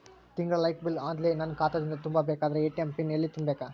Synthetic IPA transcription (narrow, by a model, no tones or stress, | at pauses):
t̪iŋɡɾɐlɐjkbilaːnd̪lenɐnkaːt̪ɐd̪ind̪ɐt̪umbabeːkaːd̪ɐɾeeːʈempinelːit̪imbeːka